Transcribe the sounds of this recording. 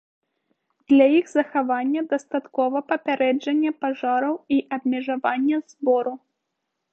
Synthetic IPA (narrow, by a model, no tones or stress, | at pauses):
d̪̥lʲɐiɣzɐxavanʲːɛd̪ɐst̪at̪kɔvɐpɐpʲaɾɛd͡ʐɐnʲːɛpaʐaɾɐwiʔɐbmʲɛʐavanʲːɛzbɔɾu